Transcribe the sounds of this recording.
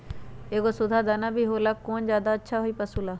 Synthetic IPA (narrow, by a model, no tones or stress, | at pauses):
eːkoːsʊd̪ʱaːd̪aːnaːbʱiːɦoːlaːkoːnd͡ʒjaːd̪aətːʃʰaːɦoiːpəsuːlaː